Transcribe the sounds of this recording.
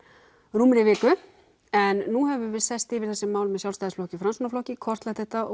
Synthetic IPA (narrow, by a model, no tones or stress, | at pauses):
ruːmɪnɪvɪːkʏ | ɛnːuɦɛvʏvɪðsɛst̪ɪvɪɾ̥θɛsɪmːaːwlʏmɛðsjawlst̪ajðɪsflɔhcɪfɾansunaflɔhcɪkʰɔr̥t̪lat̪θɛht̪aɔ